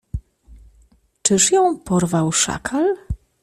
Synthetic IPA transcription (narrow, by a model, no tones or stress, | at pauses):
t͡ʂɘʂjɔ̃w̃pɔɾvawʂa̰kʰal